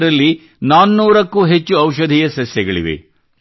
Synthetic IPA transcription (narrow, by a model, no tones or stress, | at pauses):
ɾɐlːi | naːnːuːɾɐkːuːɦet͡ʃːuɐwʃɐd̪ʱijɐsɐsjɛɡɐɭḭʋḛ